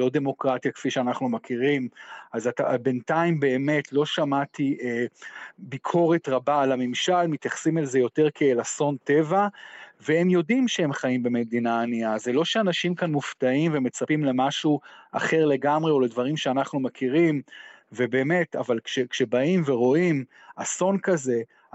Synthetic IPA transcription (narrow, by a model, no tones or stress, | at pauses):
lo̞de̞mo̞kʁatjakfiʃeanaχnumakʰiʁimazatabe̞ntaimbe̞ːme̞tʰlo̞ʃamatiʔebikʰo̞ʁe̞tʁabaːlamemʃalmit̪jaχsimalzejo̞teʁkeelaso̞nte̞vaveemjo̞dimʃeemχaimbe̞me̞d̪inaːniaze̞lo̞ʃeanaʃimkanmuftaimveme̞t͡sapimle̞maʃuʔa̰χe̞ʁle̞ɡamʁeo̞le̞dvaʁimʃeanaχnumakʰiʁimve̞be̞ːme̞ta̰valkʃekʃe̞baimveʁo̞im | aso̞nkaze̞